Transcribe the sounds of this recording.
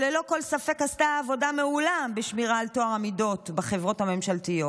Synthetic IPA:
lelo̞ko̞lsafe̞kastaːvo̞dameulambeʃmiʁaːltoaʁamido̞tbaχevʁo̞thame̞mʃaltijo

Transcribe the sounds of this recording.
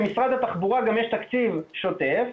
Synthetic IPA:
misʁad̪at̪aχbuʁaɡamjeʃt̪akt͡sivʃo̞t̪e̞f

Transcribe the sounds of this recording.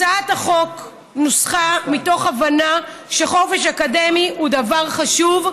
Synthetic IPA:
aataχo̞k | nusχamito̞χavanaʃeχo̞feʃakademihudavaʁχaʃuv

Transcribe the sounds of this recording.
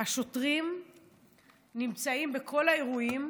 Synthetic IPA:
haʃo̞tʁim | nimt͡saimbe̞kʰo̞laeʁuim

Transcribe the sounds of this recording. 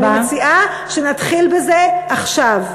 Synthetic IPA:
at͡siʔa | ʃenat̪χilbezeaχʃav

